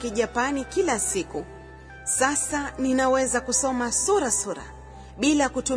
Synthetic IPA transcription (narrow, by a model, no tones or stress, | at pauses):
kiʄapanikilasiku | sasaninawɛzakusɔmasuɾasuɾa̰ | ɓilakutu